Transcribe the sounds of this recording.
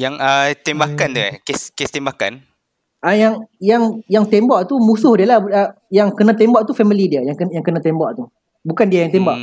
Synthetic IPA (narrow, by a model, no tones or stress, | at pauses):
jaŋət̪embakant̪uɛkeskest̪embaka̰n | ʔəjaŋjaŋjaŋt̪embaʔt̪umũsʊhdialahə | jaŋkənãt̪̬embaʔt̪ufɛmilidiəjaŋkəjaŋkənãt̪embaʔt̪u | bukandiajaŋt̪̬embaʔ